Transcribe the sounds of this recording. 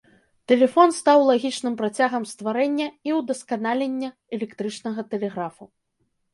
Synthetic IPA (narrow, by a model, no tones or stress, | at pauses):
t̪ɛlʲɛfɔnst̪awlˠaɣʲit͡ʂnɨmpɾat͡sʲaɣɐmst̪vaɾɛnʲːɐiwd̪ɐskanalʲenʲːɐ | ɛlʲɛkt̪ɾɨt͡ʂnɐɣɐt̪ɛlʲɛɣɾafu